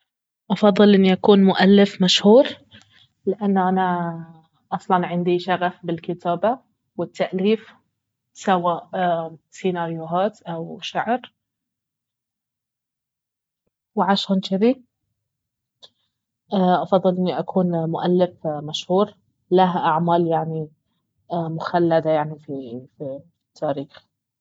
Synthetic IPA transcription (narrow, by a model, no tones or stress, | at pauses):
ʔɑfɑðˤːɨlʔɪnːiʔakuːnmʊʔalːɪfmaʃhuːɾ | lɪʔanːʔana | ʔɑsˤlɑnʕɪnd̪iʃaɣafbɪlkɪt̪ʰaːba | wɪt̪ːaʔliːf | sawaːʔsinaɾjʊɦaːt̪ʔawʃaʕɾ | wɪʕaʃaːnt͡ʃɪði | ʔaʔɑfɑðˤːɨlʔɪnːiʔakʰuːnmʊʔalːɪfmaʃhuːɾ | laɦʔaʕmaːljaʕni | mʊxalːad̪ajaʕnififi̥ | t̪ʰːaːɾiːx